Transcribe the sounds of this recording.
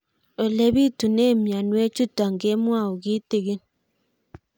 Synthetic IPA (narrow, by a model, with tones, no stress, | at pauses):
o˨le˦bi˦tu˨ne˦˨mja˨nwe˦t͡ʃu˦ta˨ŋ˨ɡe˦mwa˦˨o˨ki˦te˨ɡe˦n